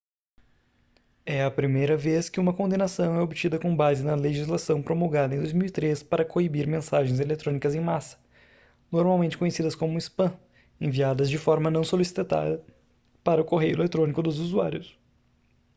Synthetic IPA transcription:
ɛɐpɾimejɾɐveskɪũmɐkõnd̪ẽnasɐ̃w̃ɛobɪt͡ʃid̪ɐkõbazɪnɐleʒizlasɐ̃w̃pɾomoɡad̪ɐẽd̪ojzmiwit̪ɾespaɾɐkoibiɾmẽsaʒẽj̃zelet̪ɾõnikɐzẽj̃masɐ̥ | noɾmawmẽnt͡ʃɪ̥kõɲesid̪ɐskõmʊispɐ̃ | ẽviad̪ɐzd͡ʒɪfɔɾmɐnɐ̃w̃solisi̥t̪t̪a̰d̪ɐ | paɾɐʊkoɦejʊelet̪ɾõnikʊd̪ʊzuzuaɾjʊs

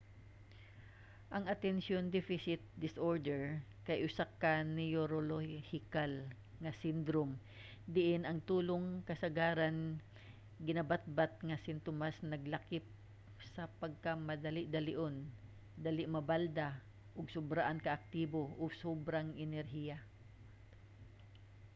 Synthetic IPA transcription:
ʔɐŋɐt̪ɛnsjond̪ɛfɪsɪt̪̚d̪ɪsʔoɹd̪ɛɹkɐjʔʊsakanɛjoɾolohɪkal | ŋɐsɪnd̪ɾom | d̪ɪʔɪnɐŋt̪uːloŋkɐsɐɡaːɾan | ɡɪnabat̪̚bat̪̚ŋasɪnt̪omasnɐɡlakɪp̚ | sɐpɐɡ̚kamɐd̪alɪʔd̪alɪʔon | d̪alɪʔmɐbald̪a | ʔʊɡsʊbɾaʔankɐʔak̚t̪iboʔʊsobɾaŋʔɛnɛɾɦija

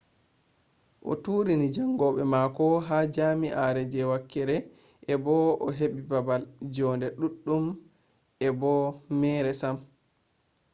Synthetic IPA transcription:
ʔɔ̰tuːɾinid͡ʒaŋɡɔɓɛmakɔɦaːd͡ʒaːmiʔaɾɛd͡ʒɛwakːɛɾɛ | ʔɛbɔʔɔɦeɓibabald͡ʒɔːndɛɗuɗːum | ɛbɔmɛːɾɛsam

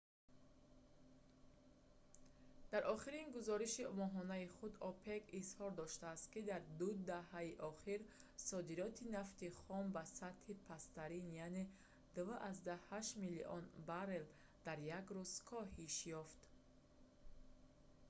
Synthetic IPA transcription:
d̪aɾʔɔχiɾinɡuzɔɾiʃimɔɦɔnaiχud̪ɔpʰekishɔɾd̪ɔʃt̪aːst̪̚kid̪aɾd̪ud̪aɦaiʔɔχiɾsɔd̪iɾɔt̪ʰinaft̪iχɔmbasat̪hipʰast̪aɾinjane | d̪̥uvʔazd̪ahaʃmilḭʔɔ̰nbaɾel | d̪̥aɾjaɡɾuz̥kʰɔɦiʃjɔft̪

